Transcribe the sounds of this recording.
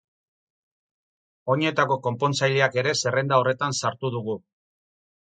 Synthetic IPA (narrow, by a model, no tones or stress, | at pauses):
o̞ɲe̞t̪ako̞ko̞mpo̞nt͡sajleake̞ɾe̞se̞re̞nd̪ao̞re̞t̪ansaɾt̪uð̞uɣu